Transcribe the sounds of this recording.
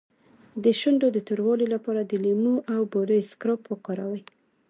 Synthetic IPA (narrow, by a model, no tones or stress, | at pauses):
d̪əʃʊɳɖod̪ət̪ʊɾwɑlelapɑɾad̪əlimuʔawboɾəjskɾopwəqɑɾawaj